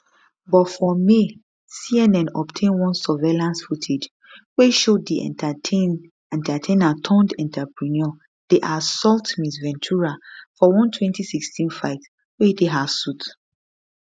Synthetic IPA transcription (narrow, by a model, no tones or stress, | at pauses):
bɔtfɔme | siɛnɛ̃nɔptʰẽnwɔ̃nsɔvelãnsfutʰed͡ʒ | weʃodiɛ̰̃ | ɛ̃ntʰatʰẽnatʰɔ̃ndɛ̃ntʰapɹinɔ | d̥eʔasɔltmisvɛ̃ntʰuɹafɔwɔ̃ntʰwɛ̃ntisikstʰĩnfaɪt | wedeɦav̥sut